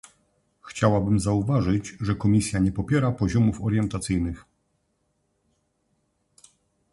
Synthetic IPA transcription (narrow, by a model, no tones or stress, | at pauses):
xt͡ɕawabɘmzauvaʐɘd͡ʑʐɛkɔmʲisʲjaɲɛpɔpʲjɛɾapɔʑɔmufɔɾjɛnt̪at̪sɘjnɘx